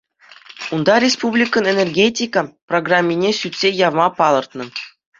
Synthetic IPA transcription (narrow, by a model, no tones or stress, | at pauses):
und̪ɑɾʲespublʲikɤ̆nenʲerɡʲetʲikəproɡramʲːinʲeɕyt̪ʲsʲejɑʋmɑpɑlˠɤ̆rt̪nɤ̆